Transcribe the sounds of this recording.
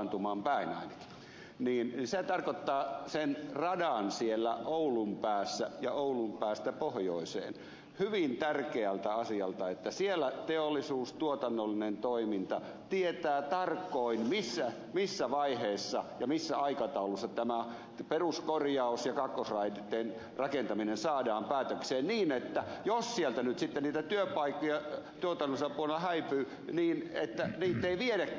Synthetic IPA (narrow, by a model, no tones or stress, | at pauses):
nt̪umɑːmpæinɑinɑki̥ | niːnset̪ɑrkot̪ːɑːsenrɑdɑnsielːæʔoulumpæːsːæjɑoulumpæːst̪æpohjoisḛːn | hyʋint̪ærkeælt̪æɑsiɑlt̪ɑet̪ːæsielːˑæt̪eolːˑisuːst̪uot̪ɑnːolːinent̪oimint̪ɑ | t̪iet̪æːt̪ɑrkːˑoinmisːæ | misːæʋɑiheːsːɑjɑmisːæɑikɑt̪ɑulusːɑt̪æmæ | peruskorjɑusjɑkɑkːosrɑidit̪ːˑen | rɑkent̪ɑminensɑːdɑːmpæːt̪økseːnniːnet̪ːæjossielt̪ænyt̪sit̪ːenniːt̪æt̪yøpɑikːojɑt̪uot̪ɑnːosɑpuolelːɑhæipyː | niːnet̪ːæniːt̪ːeiʋieɾekː